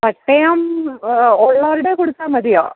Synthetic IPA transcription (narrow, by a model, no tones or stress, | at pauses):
pɐʈːɐjaːm | ɔɭːaːɾɪɽeːkɔɽɯt̪ːamɐðɪja̰ː